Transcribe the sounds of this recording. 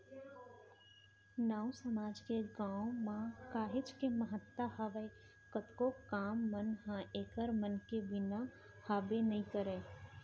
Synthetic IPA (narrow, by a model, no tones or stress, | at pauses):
naːũsəmaːd͡ʒkeɡaːõmãkaːɦɪd͡ʒkeməɦət̪ːaɦəʋəe | kət̪kokaːmːənɦãʔeːkəɾmənkebɪna | haːbenɐĩkəɾeː